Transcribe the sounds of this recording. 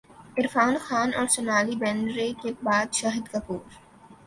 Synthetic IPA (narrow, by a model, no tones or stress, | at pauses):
ɪɾfaːnxaːnɔːɾsɐnaːlibɛ̃ːɳɖɾekebaːd̪ʃaːɦɪd̪kɐpuːɾ